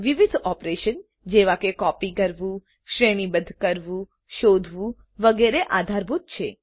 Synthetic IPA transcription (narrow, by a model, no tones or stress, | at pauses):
ʋiʋid̪ʱɔpɾeʃən | d͡ʒeʋakekɔpikəɾʋũ | ʃɾeɽ̃ibəd̪ʱkəɾʋũ | ʃod̪ʱʋũ | ʋəɡeɾeʔad̪ʱaɾbʱut̪̚t͡ʃʰe